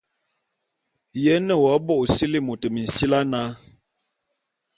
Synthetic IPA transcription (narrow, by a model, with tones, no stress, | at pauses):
jɛ˦nə˦˨wɔ˨˦bo˦˨ʔsi˦li˦mo˨tə˨mi˨n̩˨si˦la˦na˦